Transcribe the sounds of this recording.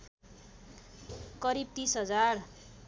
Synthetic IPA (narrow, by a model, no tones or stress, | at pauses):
kʌɾib̚t̪ĩsɦʌd͡zar